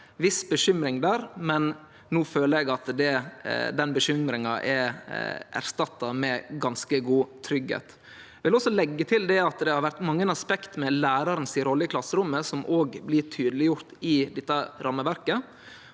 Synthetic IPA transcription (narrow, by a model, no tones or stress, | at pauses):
ʋɪsbəʃʏmɾɪŋd̪æːɾmɛn | nuːføːləɾɛɡɑt̪d̪ɛd̪ɛnbəʃʏmɾɪŋɑʔɛ | ʔæ̰ɾst̪ɑt̪ːɑmɛɡɑnskəɡuːt̪ʰɾʏɡhḛːt̪ | ʋɪlɔsːɔlɛɡːət̪ʰɪld̪ɛɑt̪d̪ɛhɑɾʋæɾt̪mɑŋːənɑspɛkt̪mɛlæːɾɑɾənsɪɾɔlːəkʰlɑsːəɾʊmːəsɔmʔoːɡblɪʈʰyːd̪əlɪjʊɾt̪ɪd̪ɛt̪ːəɾʔɑmːəʋæɾkə